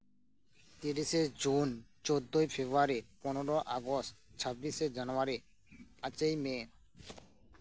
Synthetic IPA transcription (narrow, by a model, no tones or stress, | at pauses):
t̪iɾiʃed͡ʑunt͡ɕod̪ːojfʰebuaɾipɔneɾoʔaɡost̪t͡ɕʰabːised͡ʑanoaɾi | at͡ɕejme